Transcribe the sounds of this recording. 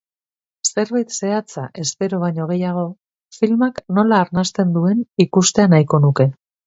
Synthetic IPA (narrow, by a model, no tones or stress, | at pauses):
se̞ɾβajt̪se̞at͡saʔe̞spe̞ɾo̞β̞ajɲo̞ɣ̞e̞jaɣ̞o̞ | filmakno̞laːɾnast̪e̞nd̪ue̞nikust̪e̞anajko̞nuke̞